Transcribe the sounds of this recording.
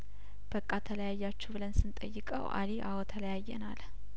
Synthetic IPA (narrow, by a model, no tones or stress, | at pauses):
b̥əkʼːat̪ʰələjajːat͡ʃːubɨlənsɨnt̪ʼə̰jːɪkʼə̰wʔa̰liʔa̰wot̪ʰələjajːɛ̰nal